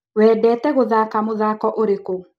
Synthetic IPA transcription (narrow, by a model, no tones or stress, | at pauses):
wɛːdɛtɛɣoðakamoðakɔʔoɾeko